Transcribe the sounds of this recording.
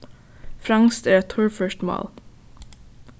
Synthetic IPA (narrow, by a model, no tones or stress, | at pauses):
fɾɑŋst̪æːɾɛtt̪ʰʊɹfœʃtmo̰ːl